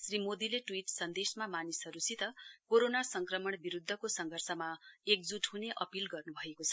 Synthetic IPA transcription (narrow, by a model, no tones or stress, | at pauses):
srimod̪ileʈwiʈsʌnd̪esmamanisɦʌɾusit̪ʌkoɾonasʌŋkrʌmʌɳbiɾud̪ʱːʌkosʌŋɡʱʌrsʌmaek̚d͡zuʈɦuneʔʌpilɡʌrnubʱʌekot͡sʰʌ